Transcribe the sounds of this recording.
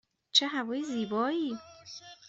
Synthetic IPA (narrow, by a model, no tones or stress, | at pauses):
t͡ʃʰeɦævɒːjiziːbɒːiː